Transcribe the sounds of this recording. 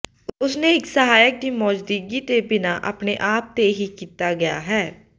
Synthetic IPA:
ʊsneːɪksəɦaːjək̚d̪iːmɔːd͡ʒd̪iːɡiːt̪ebɪnaːʔə̰pneʔaːp̚t̪eɦikiːt̪aːɡɐja̰ːɦɛː

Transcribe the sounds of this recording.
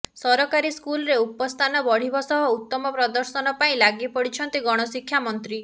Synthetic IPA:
sɔɾɔkaɾiskulɔɾeupɔst̪ʰanɔbɔɽ̤ibɔsɔɦɔut̪ːɔmɔpɾɔd̪ɔɾsɔnɔpaĩlaɡipɔɽit͡ʃʰɔnt̪iɡɔɽ̃ɔsikʰːjamɔnt̪ɾi

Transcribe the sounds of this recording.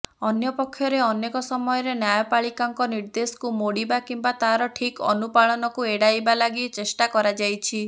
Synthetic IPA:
ɔnjɔpɔkʰːjɔɾeɔnekɔsɔmɔjɔɾenjajɔpaɭikaŋkɔniɾd̪esɔ̥kumoɽibakimbat̪aɦaɾɔʈʰikɔ̰nupaɭɔnɔkueɽajbalaɡit͡ʃesʈakɔɾad͡ʒajt͡ʃʰi

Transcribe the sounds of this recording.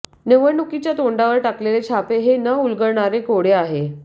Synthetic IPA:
neʋənukit͡ɕjat̪oɳɖaʋəɾʈaklelet͡ɕʰapeɦenəulɡəɭɳaɾekoɽeaɦe

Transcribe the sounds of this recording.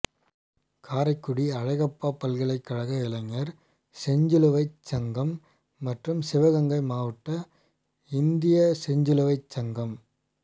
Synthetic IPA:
kʰaːɾɐɪkːɯɽiɐɻɐɪɣɐpːaːpːɐlɣɐɭɐɪkːɐɻɐɣɐɪlɐŋːɐɾ | sɛɲd͡ʒɯlɯʋɐɪt͡ʃːɐŋɡɐmː | ɐʈrɯmsɪʋɐɣɐŋɡɐɪmaːʋɐʈːɐ | ɪnd̪ɪjɐsɛɲd͡ʒɯlɯʋɐɪt͡ʃːɐŋɡɐm

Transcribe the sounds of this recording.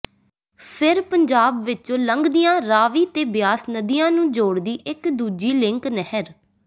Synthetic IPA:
pʰɪɾpəɲd͡ʒaːbʋɪt͡ʃõːləŋɡd̪ijãːɾaːʋiːt̪eːbɪjaːsnəd̪ijãːnũːd͡ʒoːɽd̪iːʔɪkd̪uːd͡ʒiːlɪŋknɛhəɾ

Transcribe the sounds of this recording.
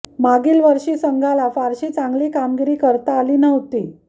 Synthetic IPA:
maɡiːlʋəɾʂiːsəŋɡʱalafaɾɕit͡saŋɡliːkamɡiɾiːkəɾt̪aːliːnəɦt̪iː

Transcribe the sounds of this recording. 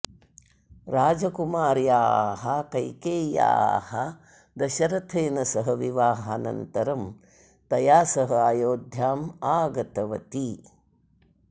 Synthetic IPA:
ɾaːd͡ʒɐkumaːɾjaːɦɐkɐjkeːja̰ːhɐ | d̪ɐʃɐɾɐt̪ʰeːnɐsɐɦɐʋiʋaːɦɐnɐ̰nt̪ɐɾɐm | t̪ɐjaːsɐɦɐaːjoːd̪ʱjaːmaːɡɐt̪ɐʋɐt̪i

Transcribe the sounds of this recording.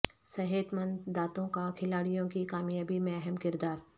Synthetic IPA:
sɐɦeːt̪mə̃nd̪aːt̪õkakʰɪlaːɽijõkikaːmjaːbimɛɦɛmkɪɾd̪aːɾ

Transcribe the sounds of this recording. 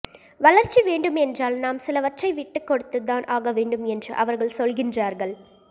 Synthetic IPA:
ʋɐɭɐɾt͡ʃːiʋeːɳɖɯmɛndraːlnaːmsɪlɐʋɐʈrɐɪʋɪʈːɯkːɔɽɯt̪ːɯðaːnʔaːɣɐʋeːɳɖɯmɛndrɯ̰ʔɐ̰ʋɐɾɣɐɭsɔlɣɪndraːɾɣɐɭ

